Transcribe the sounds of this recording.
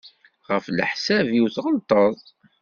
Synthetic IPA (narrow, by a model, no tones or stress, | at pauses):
ʁəflə̰ħsævjiwθʁəlt̪ˤəðˤ